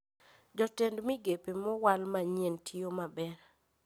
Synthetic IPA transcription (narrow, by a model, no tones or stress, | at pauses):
d͡ʒɔtendmɪɡepemɔwalmaɲentʰiomabɛɾ